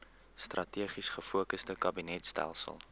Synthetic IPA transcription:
strʔɐtiəχisχəfuəkəsdəkɐbinɛtstæ̰lˠsə̰lˠ

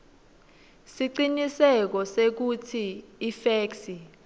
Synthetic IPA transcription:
siǃinisɛk̬ɔsek̬utʰiːfeːksi

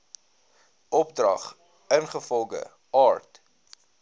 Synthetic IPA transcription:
ʔɔp̚drɐ̰χ | ənχəfɔlˠɡə̰ | ɑːrt

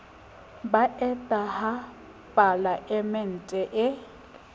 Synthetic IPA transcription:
baʔɛtʼaha | pʼalaʔɪmɪn̩tʼɛʔɪ

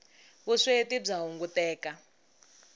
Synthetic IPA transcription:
βuʂetib͡ʐaɦuŋɡutɛːka

